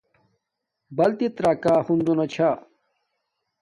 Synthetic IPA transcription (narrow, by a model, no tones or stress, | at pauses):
bɐlt̪it̪ɾaːkaːhund̪onɐt͡ɕʰa